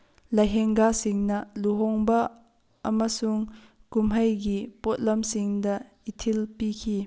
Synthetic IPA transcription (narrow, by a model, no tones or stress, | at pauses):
lɐjɦɛŋɡasɪŋnɐluɦɔŋbɐ | ʔɐmɐsuŋkumɦɐjɡipɔt̪̚lɐmsɪŋdɐ | itʰilpikʰi